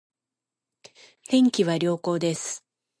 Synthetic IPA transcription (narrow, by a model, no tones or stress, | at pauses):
t̪ẽ̞ŋkʲiβaɾʲo̞ːko̞ːd̪e̞sɨ̥